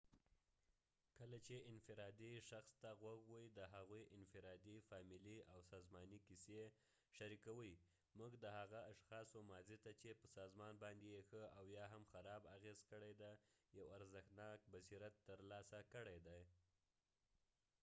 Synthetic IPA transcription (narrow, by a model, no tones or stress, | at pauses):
kəlat͡ʃeɪnfɪɾɑd̪iʃaxst̪aɣwaɡwəjd̪əɦaɣujʔɪnfɪɾɑd̪ifɑmɪliʔawsɑzmɑnikise | ʃaɾikawəj | muɡd̪əhaɣaaʃxɑsomɑzit̪at͡ʃepəsɑzmɑnbɑnd̪ejexəawjɑɦamxaɾɑbaɣezkəɽajd̪ajawaɾzəxnɑk̚basiɾat̪ːəɾlɑsakəɽajd̪aj